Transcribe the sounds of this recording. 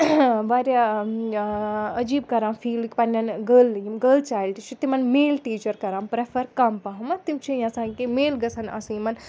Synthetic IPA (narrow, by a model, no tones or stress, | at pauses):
baːɾʲja | ɐd͡ʒiːb̚kɐɾãːmfʰiːlikpɐnʲɐnɡəːlːɐjimɡəːlt͡ʃaːjlʈit͡ʃʰit̪imɐnmeːlʈiːt͡ʃɐɾkɐɾaːmpɾefʰɐɾkɐmpɐɦɐmɐt̪imt͡ʃʰijɐsãːŋkemeːlɡɐsʰɐnɐ̰sɨ̃mɐn